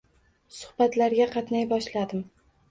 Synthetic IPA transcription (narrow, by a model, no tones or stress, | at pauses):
sʊ̥hbat̪laɾɡʲaqʰɑt̪najbɒʃlad̪ɪm